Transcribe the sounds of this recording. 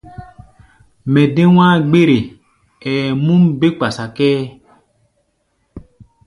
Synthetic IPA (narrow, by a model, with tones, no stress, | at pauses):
mɛ̃˨de˦w̃ã˦ɡ͡be˦ɾe˨ | ɛː˨mũ˦mbe˦k͡pa˨sa˨kɛː˦